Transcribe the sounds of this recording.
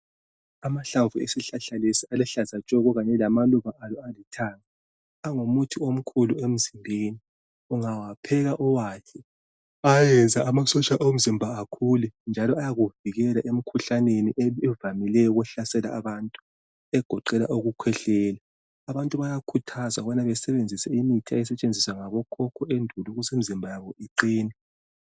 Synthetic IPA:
amaɬavuḛsiɬaɬalesialɛɬazat͡ʃʼɔɣɔɣaɲɛlamaluβaʔalɔalitʰaŋa | aŋomutʰiom̩kʰuluem̩zimbʱeni | uŋawapʰɛɣaʔɔwaːkʰɛ | ajɛnd͡zʱaʔamasɔt͡ʃʼaʔom̩zimbʱaakʰulɛnd͡ʒʱalɔajaɣuviɣɛlaʔem̩kʰuɬaneniʔɛɛvamilɛjɔuɣwɛɬasɛla̰ːβantʼu̥ | ɛɡ̥ʱɔǃɛlaʔoɣukʰwɛɬɛːla | aβantʼuβajakʰutʰazaβanaβɛsɛβend͡zʱisɛimitʰiajɛsɛt͡ʃʼend͡zʱiswaŋaβɔkʰɔkʰɔʔendʱuluɣuzem̩izimbʱajaβɔiǃiːnɛ

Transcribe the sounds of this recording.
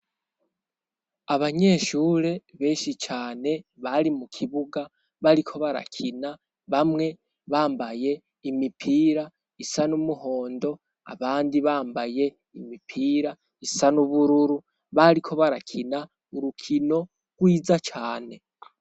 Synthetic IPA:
aβaɲe̞ːʃuːɾe̞βe̞ːʃit͡ʃaːne̞βaɾimukʰiβuɡa | βaɾikʰo̞βaɾa̰kʰina | βamŋe̞ | βaːmbaje̞ | imipʰiːɾa | isanumuho̞ːndo̞ | a̰βaːndiβaːmbaje̞ | imipʰiːɾa | isanuβuɾuɾu | βaɾikʰo̞βaɾakʰina | uɾukʰino̞ | ɡ̥wiːzat͡ʃaːne̞

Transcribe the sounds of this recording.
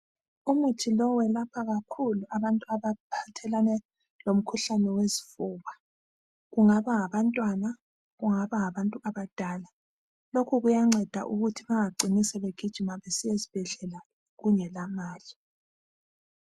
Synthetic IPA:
umutʰilɔwɛlapʰaɣakʰuluʔaβantʼuaβapʰatʰɛlanɛ | lom̩kʰuɬanɛwezifuːβa | ɣuŋaβaŋaβantʼwana | ɣuŋaβaŋaβantʼuaβad̥ʱaːla | lokʰuɣujaŋ͡ǁɛd̥ʱa̰ʔuɣutʰiβaŋaǃinisɛβeɡ̥ʱid̥ʒ̥ʱimaβesijezib̥ʱɛɮɛla | ɣuɲɛlamaːli

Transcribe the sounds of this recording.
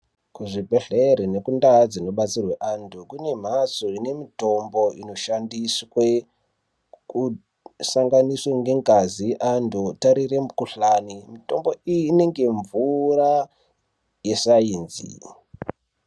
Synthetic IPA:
kuʐibʱe̞ɮeɾine̞kundad͡zino̞ɓat͡sirweʔantʰukune̞m̤asoine̞mito̞mbo̞ino̞ʃandiswe | ku | saŋɡanisweŋɡe̞ŋɡazijʔantʰutaɾiremukuɬanimito̞mbo̞ijːne̞ŋɡe̞ɱvura | je̞saiːnzḭ

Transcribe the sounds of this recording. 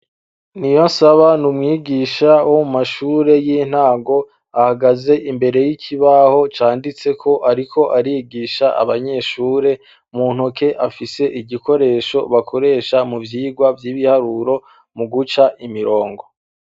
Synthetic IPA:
nijo̞nsaβanumŋiːɡiʃaomumaʃuːɾe̞jin̥haːŋɡo̞ | ahaɡaze̞ʔimbe̞ɾe̞jicʰiβaho̞t͡ʃaːndit͡se̞kʰo̞ʔaɾikʰo̞ʔaɾiɡiʃaa̰βaɲe̞ʃuːɾe̞ | muːn̥uke̞ʔafise̞ʔiɟikʰo̞ɾe̞ːʃo̞βakʰo̞ɾe̞ːʃamuvjiːɡwavjiːβihaɾuɾo̞ | muɡut͡ʃaʔimiɾo̞ːŋɡo

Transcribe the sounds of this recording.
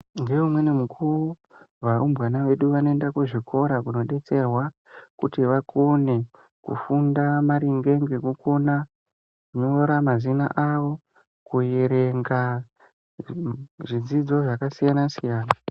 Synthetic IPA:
ŋɡe̞umwe̞nemukʰuru | ʋaumbwanaʋe̞ɗuʋanoendakuʐikʰo̞ɾakuno̞ɗe̞t͡se̞rwa | kutiʋakʰone̞ | kṵfundamaɾiŋɡe̞ŋɡe̞kuko̞na | kuɲooɾamazina̰ʔaʋo̞ | kuje̞ɾe̞ŋɡa | ʐid͡zid͡zo̞ʐakasijanasijaːna

